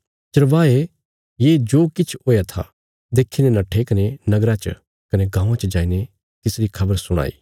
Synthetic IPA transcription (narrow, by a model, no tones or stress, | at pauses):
t͡ʃɐɾʋaːe | jed͡ʒoːkɪt͡ʃʰɦoːjat̪ʰa̰ | d̪eːkʰːinẽnɐʈʰekɐnenɐɡɾat͡ʃə̰ | kɐneɡãːũãt͡ʃɐd͡ʒaːine | t̪ɪsɾikʰɐbəɾsʊɽ̃a̰ːḭː